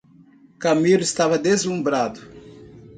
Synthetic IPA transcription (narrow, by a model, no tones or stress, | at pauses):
kɐmilʊist̪avɐd̪ezũmbɾad̪ʊ